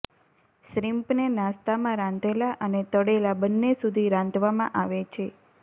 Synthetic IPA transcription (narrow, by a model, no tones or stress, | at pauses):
ʃɾimpnenãst̪amãɾãnd̪elaʔənet̪əɽelabənːesud̪ʱiɾãnd̪ʋamãʔaʋet͡ʃʰe